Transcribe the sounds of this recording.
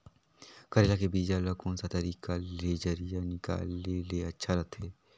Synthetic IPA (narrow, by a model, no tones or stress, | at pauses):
kɐɾeːlakebiːd͡ʒalɐkõːnsat̪ɐɾiːkaled͡ʒɐɾijanɪka̰ːleleɐtːʃʰalɐt̪ʰɦeː